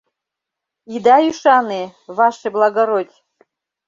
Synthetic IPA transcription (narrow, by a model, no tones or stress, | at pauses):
id̪ajuʃanɨvaʂɨblˠaɡɐɾod̪ʲ